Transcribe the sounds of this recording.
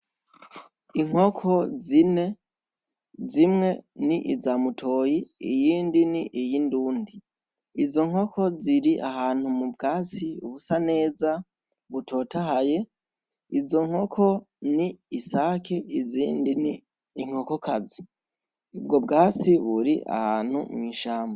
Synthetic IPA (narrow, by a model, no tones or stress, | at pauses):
iŋ̥ho̞kʰo̞zine̞ | zimŋe̞niʔizamutʰo̞ːjiḭjiːndiniʔejinduːndi | izo̞ŋho̞kʰo̞ziɾiʔahaːn̥humub̚ɡaːt͡siuβusane̞ːza | βutʰo̞ːtahaje̞ | izo̞ŋ̥ho̞kʰo̞ | niisakʰeiziːndiniː | ŋ̥ho̞ko̞kʰazi | ibɡo̞b̚ɡaːt͡siβuɾiʔa̰haːn̥hṵmŋiːʃaːmbo